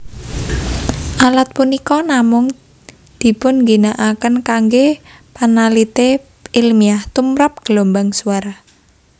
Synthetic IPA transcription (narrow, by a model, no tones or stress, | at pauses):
ʔalat̪̚punikɔnamʊŋ | d̪̥i̤pʊnŋɡinaʔakənkaŋɡe | panalit̪e | ilmiaht̪umɾap̚ɡ̥əlombaŋsuaɾa